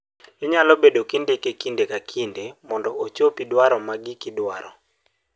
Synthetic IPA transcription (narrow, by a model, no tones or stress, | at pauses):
ɪɲalɔbedokindekekindekakʰindemɔndɔot͡ʃopidwaɾɔmaɡɪkɪdwaɾɔ̰